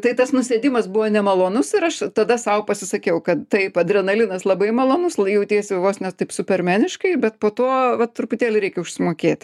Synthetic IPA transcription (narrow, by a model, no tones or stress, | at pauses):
t̪ɐɪt̪ɐsnʊsʲeːd̪ʲɪmɐsbʊʋoːnʲɛmɐlˠoːnʊsɪɾɐʃt̪ɐd̪ɐsɐʊpɐsʲɪsɐkʲɛʊkɐt̪t̪ɐɪpɐd̪ʲɾʲɛnɐlʲɪnɐslˠɐbɐɪmɐlˠoːnʊsjɛʊt̪ʲeːsʲeʋoːsnʲɛtt̪ɐɪpsʊpʲɛrʲmʲæːnʲɪʃkɐɪbʲɛt̪poːt̪oːʋɐt̪ɾʊpʊt̪ʲeːlʲɪɾʲɛɪkʲɛʊʃʲsʲɪmoːkʲeːt̪ʲ